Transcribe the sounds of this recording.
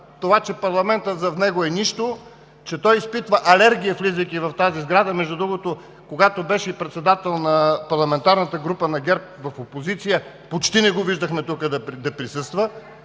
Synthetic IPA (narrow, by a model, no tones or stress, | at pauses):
t̪ovat͡ʃɛpɐɾlˠɐmɛnt̪ət̪zɐfnɛɡoɛniʃt̪o | t͡ʃɛt̪ɔjispit̪vəʔɐlɛɾɡʲiəflizəkʲivɐft̪azizɡɾad̪əmɛʒd̪ud̪ɾuɡot̪o | koɡat̪obɛʃɛipɾɛt̪sɛd̪at̪ɛlˠnɐpɐɾlˠɐmɛnt̪aɾnət̪əɡɾupənɐɡʲɛɾp̚vɐfopozit̪sijə | pot͡ʃt̪inɛɡoviʒd̪əxmɛt̪ukəd̪ɐd̪ɐpɾisɤst̪və